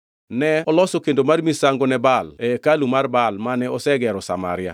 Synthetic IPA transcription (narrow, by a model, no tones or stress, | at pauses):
nɛɔlɔsokendomarmisaŋɡonɛbalɛkalumarbalmanɛɔsɛɡɛɾɔsa̰ma̰ɾɪa̰